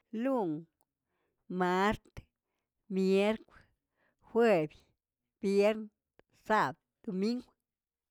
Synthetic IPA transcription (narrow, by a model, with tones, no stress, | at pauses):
lu˦ŋ | ma˧ɾt̪ | mje˦ɾkʷ | xwe˧bj | b̥je˦ɾn | sa˦˨b̚ | d̪̥o˨mi˦ŋɡʷ